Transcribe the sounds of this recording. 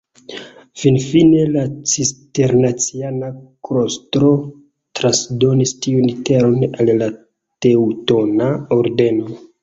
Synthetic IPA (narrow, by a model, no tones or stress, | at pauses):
finfine̞lat͡siste̞ɾnat͡sianakɾostɾo̞ | tɾansdo̞nistiuniteɾo̞nalla | te̞uto̞naoɾde̞no̞